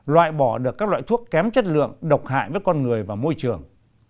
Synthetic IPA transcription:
lwa̰ː˧˨jɓɔ˧˩ɗɨ˨˩əkːaː˦˥k̚la̰ː˧˨t̪ʰu˦˥əkːɛ˨˦mt͡ɕə˦˥t̚lɨ̰˧˨əŋɗə˨˩wk͡p̚ha̰ː˧˨jvəː˨˦jkɔ˧nŋɨ˨˩əjvaː˨˩mo˧jt͡ɕɨ˨˩əŋ

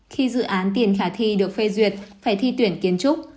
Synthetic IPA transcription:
xi˧zɨ̰˧˨ʔaː˨˦nt̪i˨˩ənxaː˧˩t̪ʰi˧ɗɨ˨˩ək̚fe˧zwi˨˩ət̚faː˧˩jt̪ʰi˧t̪wi˧˩ənki˨˦ənt͡ɕʊ˦˥k͡p̚

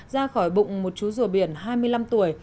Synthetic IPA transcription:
zaː˧xɔ˧˩jɓʊ̰˧˨ŋ͡mmo˨˩t̚t͡ɕu˨˦zu˧˩əɓi˧˩ənɦaː˧jmɨ˧əjla˧mt̪u˧˩əj

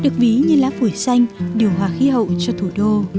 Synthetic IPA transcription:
ɗɨ˨˩ək̚vi˨˦ɲɨ˧laː˨˥fu˧˩jsa˧jŋ̟ɗi˨˩əwɦwaː˨˩xi˧˦ɦə̰˧˨wt͡ɕɔ˧t̪ʰu˧˩ɗo˧

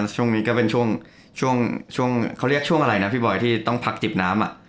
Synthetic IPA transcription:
nt͡ɕʰu˥˩əŋniː˦˥kɔː˥˩pe˧nt͡ɕʰu˥˩əŋ | t͡ɕʰu˥˩ŋt͡ɕʰu˥˩əŋkʰa˦˥wɾi˥˩ək̚t͡ɕʰu˥˩əŋʔa˧ɾa˧jna˦˥pʰiː˥˩bɔ˨˩jt̪ʰiː˥˩t̪ɔ˥˩ŋpʰa˦˥k̚t͡ɕi˨˩p̚naː˦˥mʔa̰˨˩ʔ

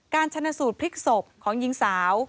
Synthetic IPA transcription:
kaː˧nt͡ɕʰa˧naː˧suː˨˩t̪̚pʰi˦˥k̚so˨˩p̚kʰɔː˩˦ŋji˧ŋsaː˩˦w

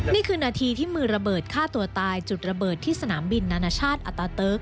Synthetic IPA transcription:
niː˥˩kʰɯː˧naː˧t̪ʰiː˧t̪ʰiː˥˩mɯː˧ɾa˧bɤː˨˩t̪̚kʰaː˥˩t̪u˧ɐt̪aː˧jt͡ɕu˨˩t̪̚ɾa˧bɤː˨˩t̪ʰːiː˥˩sa˧naː˩˦mbi˧nːaː˧naː˧t͡ɕʰaː˥˩t̪̚ʔa˨˩t̪ːaː˧t̪ɤː˦˥k̚

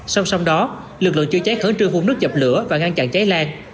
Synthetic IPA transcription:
sa˧wsa˧wɗɔ˨˦ | lɨ˨˩k̚lɨ̰˧˨ət͡ɕɨ˧t͡ɕa˨˦k̚həː˧˦nt͡ɕɨ˧əŋfu˧˩nɨ˦˥k̚t͡ɕə˨˩p̚lɨ˧˩əvaː˨˩ŋa˧nt͡ɕa̰ː˧˨ŋt͡ɕa˨˦jlaː˧ŋ

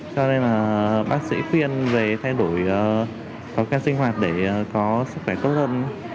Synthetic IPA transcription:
t͡ɕɔ˧ne˧nlaː˨˩ɓaː˦˥k̚sḭ˧˥xwi˧ənve˨˩t̪ʰa˧jɗo˧˩jʔəː˨˩ | kɔ˨˦kaː˦˥k̚sï˧ŋ̟ɦwaː˨˩t̚ɗe˧˩˨kɔ˨˦sɨ˦˥k̚xwɛ˧˩t̪o˦˥t̚həː˧nʔ

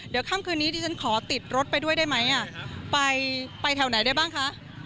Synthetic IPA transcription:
dɯ˨˩˦kʰaː˥˩mkʰɯː˧nːiː˦˥t̪ʰiː˧˩a˦˥nkʰɔː˩˦t̪i˨˩t̪̚ɾo˦˥t̪̚pa˧jdu˥˩əjdaː˥˩jma˦˥jʔa˧˩pa˧jpa˧jt̪ʰɛː˨˩˦wna˨˦jdaː˥˩jbaː˥˩ŋkʰa˦˥ʔ

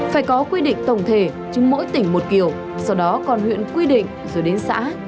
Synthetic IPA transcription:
faː˧˩jkɔ˨˦kwi˧ɗḭ̈˧˨ŋ̟t̪ə˨˩wŋ͡mt̪ʰe˧˩ | t͡ɕʊ˨˦ŋ͡mmo̰˧˥jt̪ï˧˩ŋ̟mo˨˩t̚ki˧˩əw | sɔ˧˩wɗɔ˨˦kɔ˨˩nwḭ˧˨ənkwi˧ɗḭ̈˧˨ŋ̟zoː˨˩jɗe˨˦nsa̰ː˧˥

